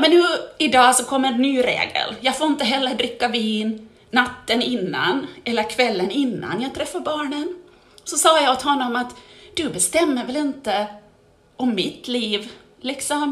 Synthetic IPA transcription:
mɛnːʉːɪd̪ɑːsɔkʰɔmːəɛnːyːɾḛːɡə̰ljɑːfoːɪnt̪əɦɛlːəɖɾɪkːaviːnː | at̪ːənɪnːa̰nɛlːəɾkʰvɛlːənɪnːa̰njɑːɡt̪ʰɾɛfːaɾbɑːɳən | sɔsɑːjaɔt̪hɔnːɔmat̪d̪̥ɵbɛst̪ɛmːəɾvɛlɪnt̪ə | ɔmːɪt̪liːv | lɪksɔm

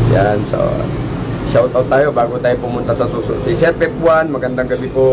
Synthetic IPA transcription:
jansa̰ | ʃaut̪at̪ːajobaɡut̪ajopumunt̪asansususisɛt̪̚pepuanmaɡand̪aŋɡabipo

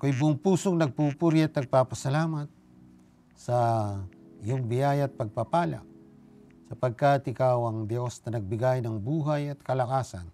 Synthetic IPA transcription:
kojbʊʔŋpuːsoŋnɐɡ̚pupuɾjiɐt̪̚nɐɡ̚papɐsɐlaːmat̪̚ | sɐ | joŋbɪjaːjɐt̪̚pɐɡ̚pɐpaːla̰ | sɐpɐɡ̚kat̪ɪkaːwɐŋd̪josnɐnɐɡ̚bɪɡajnɐŋbuːɦajɐt̪̚kɐlɐkaːsɐ̰n

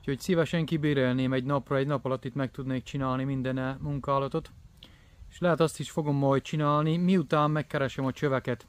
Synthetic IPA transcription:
uco̞csivɛʃɛŋkibeːɾeːlneːmɛɟnɒprɒɛɟnɒpɒlɒt̪ːit̪mɛk̚t̪ud̪neːk̚t͡ʃinaːlnimind̪ɛnɛmuŋkaːlɒt̪o̞t̪ | eʃlɛɦɛt̪ɒst̪iʃfo̞ɡo̞mːɒjt̪̚t͡ʃinaːlnimiut̪aːmːɛkːɛɾɛʃɛmɒt͡ʃøvɛkɛt̪

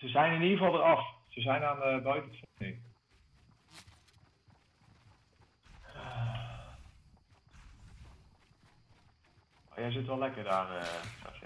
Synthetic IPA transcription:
səzɛjnɪnivɑlˠdərɑfsəzɛjnaːnəbœɥtənfoni | a | a̰jɛjzɪtʋɛlɛkərdaːrəsɛ̰

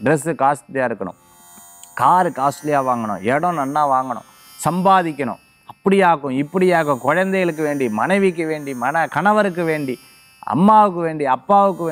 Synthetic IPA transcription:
ɖɾɛsɯkaːsʈlɪjaːɪɾɯkːɐɳʊ̰̃ | kaːɾɯkaːsʈlɪjaːʋaːŋɡɐɳʊ̰̃ɛɽɐ̃nɐnːaːʋaːŋɡɐɳʊ̰̃ | sɐmbaːðɪkʲːɐɳʊ̰̃ | ɐpːɐɽɪjaːɣʊ̃ɪpːɐɽɪjaːkʊ̃kɔɻɐnd̪ɐjɐlɯk̬ːɯʋeːɳɖimɐnɐɪʋik̬ːɯʋeːɳɖimɐnɐkɐnɐʋɐɾɯk̬ːɯʋeːɳɖi | ɐ̰mːaːʋɯk̬ːɯʋeːɳɖiɐpːaːʋɯkːɯʋ

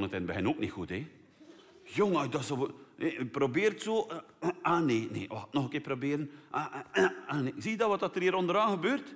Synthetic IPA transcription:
nətɛnbɛhɛnoːknixute | joŋəjdɔsəeprobɪːrtsoː | aːneːnḛːəatnɔxəkɪːprobeːɾənʔaaaneksiːədɔʋɑt̚ɑtəriːɾɔndəɾaːɣəbøːrt

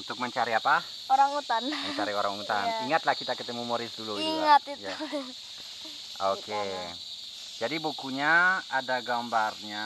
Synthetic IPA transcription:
unt̪ʊk̚məɲt͡ʃaɾiapa | oɾaŋut̪anmət͡ʃaɾioɾaŋut̪aniŋat̪lahkit̪akət̪ɛmumoɾɪsduluiŋat̪̚itja | oke | d͡ʒadibukuɲaadaɡambarɲa

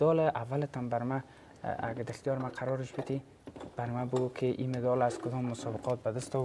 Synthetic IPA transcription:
d̪ɔlʔavːalɪt̪ambaɾma | a̰ɡad̪axt̪ijɔɾmaqʰaɾɔɾɪʃbɪt̪ʰi | b̥aɾmabʊɡukʰɪʔimed̪ɔlazkʊd̪ɔmːʊsɔbɪqʰɔt̪̚bad̪ɪst̪ɔ

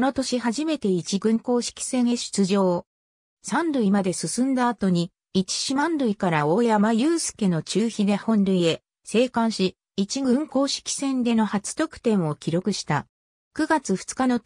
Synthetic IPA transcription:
no̞t̪o̞ɕihaʑime̞t̪e̞it͡ɕiɡɯ̟̃ŋko̞ːɕi̥kʲi̥sẽ̞ɰeɕi̥t͡sɨʑo̞ː | sãnd̪ɯ̟imad̪e̞sɨsɨ̃nd̪aːt̪o̞ɲ̟i | it͡ɕi̥ɕimãnd̪ɯ̟ikaɾao̞ːjamajɯ̟ːsɨ̥ke̞no̞t͡ɕɨːçid̪e̞hõ̞nɾɯ̟ie̞ | se̞ːkãɰ̃ɕi | it͡ɕiɡɯ̟̃ŋko̞ːɕi̥kʲi̥sẽ̞nd̪e̞no̞hat͡sɨ̥t̪o̞kɯ̟̥t̪ẽ̞ɰ̃o̞kʲiɾo̞kɯ̟ɕi̥t̪a | kɯ̟ɡat͡sɨɸɯ̟̥t͡sɨ̥kano̞

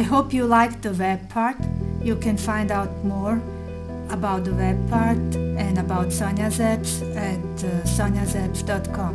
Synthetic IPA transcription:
ajɦoʊpjulaɪk̚ðəwɛb̚pʰaɹtjɨkʰɨ̃nfãɪ̃ndaʊt̚mɔɹ | əbaʊt̪̚d̪əwɛb̚pʰaɹtɨ̃nəbaʊtsãnazɛbs | ɨtsãnjazɛbsdɔtkʰɔ̃m

